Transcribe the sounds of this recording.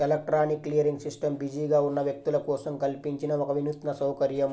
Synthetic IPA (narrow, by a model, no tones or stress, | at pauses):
elek̚ʈɾanikːlijɾiŋɡsisʈəmbid͡ʑiɡauɾnɐʋjɐk̚t̪ulɐkosɐŋkɐlpiɲt͡ʃinɐʋɐkɐʋinut̪nɐsɐwkɐɾjɐm